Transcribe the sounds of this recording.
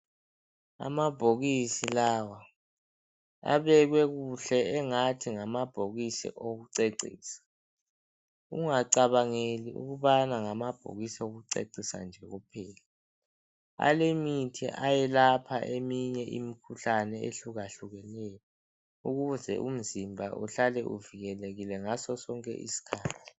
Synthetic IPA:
a̰mab̥ʱoɣisilawa | a̰βɛɣ̬wɛɣuɬɛɛŋatʰiŋamab̥ʱoɣisḭʔoɣuǀeǀḭːsḁ | ṵŋaǀaβaŋeliʔṵɣuβanaŋamab̥ʱo̰ɣisioɣuǀḛǀisa̰nd͡ʒʱɛɣupʰɛːla | a̰lemitʰḭʔajɛlapʰaʔemiɲɛʔimikʰuɬanɛeɬuɣaɬuɣɛnɛːjɔ | uɣuzɛ̰ʔum̩zimbʱa̰ʔṵɬalɛʔuviɣɛleɣilɛŋasɔsɔŋkʼɛ̰ʔḭsi̥kʰaːtʰi̥

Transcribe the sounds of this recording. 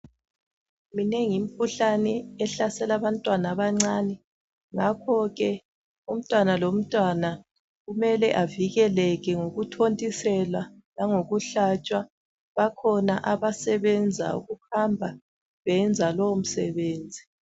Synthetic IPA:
mineŋim̩kʰuɬanɛɛɬasɛlaβantʼwanaβaŋ͡ǀaːnɛ | ŋakʰɔɣɛ | um̩tʼwanalom̩tʼwana | ɣumɛlɛʔaviɣɛlɛɣɛŋoɣutʰontʼisɛlwa | laŋoɣuɬat͡ʃʼwa | βakʰɔnaʔaβasɛβɛnd͡zʱa̰ṵɣuhambʱa | βɛnd͡zʱalɔom̩sɛβeːnd͡zʱi

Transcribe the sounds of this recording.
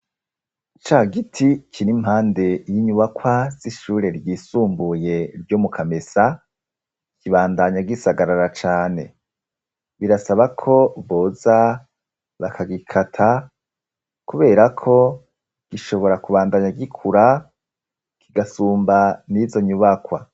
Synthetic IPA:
t͡ʃaːɡitʰikʰinim̥haːnde̞jiɲuβakwaz̥iʃuːɾe̞ɾɟiːsuːmbuje̞ɾɟomukʰamesa | kʰiβaːndaɲaɡisaɡaɾaɾat͡ʃaːne̞ | βiɾasaβakʰo̞βo̞ːza | βakʰaɡikʰatʰa | kuβe̞ːɾakʰo̞ | ɡ̥iʃo̞βo̞ɾakuβaːndaɲaɡikʰuɾa | kʰiɡasuːmbanizo̞ɲuβakwa̰

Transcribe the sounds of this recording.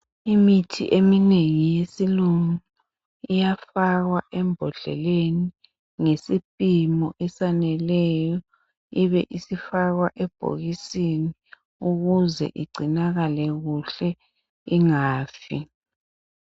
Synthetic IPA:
imitʰḭʔemineŋijesiluŋu | ijafaɣwaʔɛmbʱɔɮɛ̰leni | ŋesipʼimɔʔɛsanɛlɛjɔ | iβɛʔisifaɣwaʔɛb̥ʱo̰ɣisini | uɣuzɛ̰ʔiɡ͡ǀʱinaɣalɛɣuɬɛ | iŋaːfi

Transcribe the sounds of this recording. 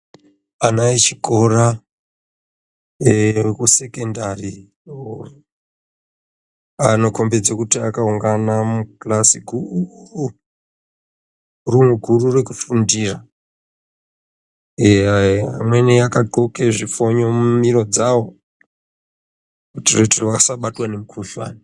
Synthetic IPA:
anait͡ʃiko̞ɾa | ekuse̞kendari | uru | ano̞ko̞mbed͡zakutiakauŋɡanamuklasiɡʱuru | rumuɡʱururekufundira | eaamweneakaɡʱokeʐifo̞ɲo̞mumiɾo̞d͡zawo | kutireterʋakasaɓatwanemukʰuɬwa̰ːni

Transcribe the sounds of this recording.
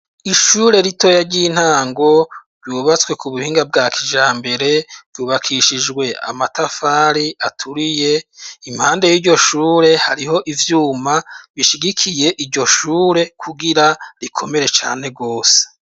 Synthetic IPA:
iʃuːɾe̞ɾitʰo̞ːjaɟiːn̥haːŋɡo̞ɾjuːβat͡skwe̞kuβuhiːŋɡab̚ɡaːkʰiʒaːmbe̞ɾe̞v̥juːβakʰiʃid͡ʒɡwe̞a̰matafaːɾiatʰuɾije̞im̥haːnde̞jiːɟo̞ʃuːɾe̞ha̰ɾiho̞ʔivjuːmaβiʃiɡikʰije̞ʔiɾɟo̞ʃuːɾe̞kʰuɡiɾaɾikʰo̞me̞ɾe̞t͡ʃa̰ːne̞ɡo̞ːse̥

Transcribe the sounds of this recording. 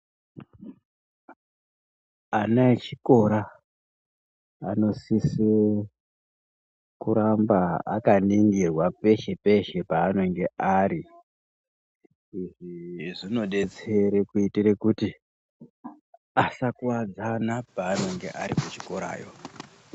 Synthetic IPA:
anaet͡ʃiko̞ɾa | no̞sise | kuɾambaa̰kaniŋɡirwape̞ʃepe̞ʃe̞paːno̞ŋɡe̞ʔaɾi | iʐiʐino̞ɗe̞t͡se̞ɾekuitiɾekuti | asakuwad͡zanapaːno̞ŋɡe̞ʔaɾimut͡ʃiko̞ɾa̰ːjo̞

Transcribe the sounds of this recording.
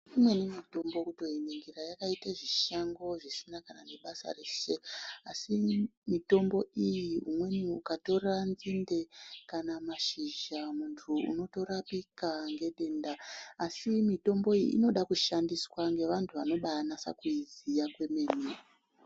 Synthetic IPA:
imwe̞nemito̞mbo̞kuto̞eneŋɡirajakaitaʐiʃaŋɡo̞ʐisinakananeɓasa̰reʃeasimito̞mbo̞ʔijiɦumwe̞niukato̞ranzinde̞kanamaʃiʒamuntʰuṵno̞to̞ɾapikaŋɡe̞ɗe̞ndaːsimito̞mbo̞ijḭʔːno̞ɗakuʃandiswaŋɡe̞ʋantʰuʋano̞ɓajanasa̰kuizijakwe̞me̞ner

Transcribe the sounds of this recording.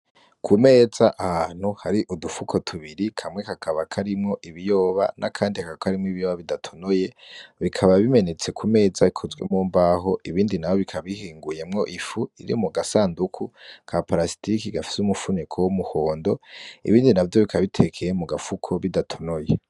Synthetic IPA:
kʰume̞ːz̥aʔahan̥huhaɾiʔudufukʰo̞tʰuβiɾikʰamŋe̞kakʰaβakʰaɾimŋo̞ʔiβijo̞ːβa̰nʔakʰaːndihakakʰaɾimŋoiβijoːβaβidatʰo̥noje̞βikʰaβaβime̞ne̞t͡se̞kʰume̞ːd͡zaikʰozwe̞̰moːmbaɦo̞ʔiβiːndinawo̞βikʰaβihiːŋɡuje̞mŋo̞ʔifuḭɾḭmuɡasaːndukʰukʰapaɾasi̥tikiɡafi̥sumufunekʰowomuhoːndo̞ḭβiːndinavjo̞βikʰaβitʰe̞kʰejemuɡafukʰo̞βidatʰo̥noje

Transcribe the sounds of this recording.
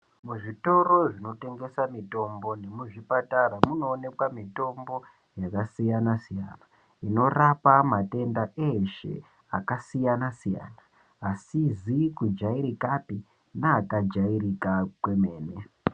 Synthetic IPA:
muʐito̞roʐino̞te̞ŋɡe̞samito̞mbo̞ne̞muʐipataɾamuno̞ːne̞kwamito̞mbo̞ | jakasijanasija̰na | ino̞rapamate̞ndaʔeʃḛ | a̰kasijanasija̰ːnaː | sizikud͡ʒaiɾikapi | naːkad͡ʒairikakwe̞me̞ːne

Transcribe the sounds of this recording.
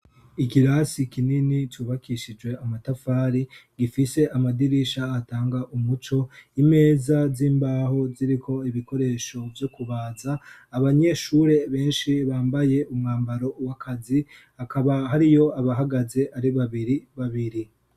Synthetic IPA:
ikiɾaːsikininituːβakʰiʃid͡ʒwe̞amatafaːɾiɡifise̞ʔamadiɾiʃaːtaːŋɡaʔumut͡ʃo̞ime̞ːzaziːmbaːho̞ziɾikʰo̞iβiko̞ɾe̞ːʃo̞vjo̞kuβaːzaːβaɲe̞ʃuɾe̞βe̞ːnʃiβaːmbaje̞umŋaːmbaɾo̞wakʰazihakaβaɦaɾijo̞aβaɦaɡaze̞ʔaɾiβaβiɾiβaβiɾi

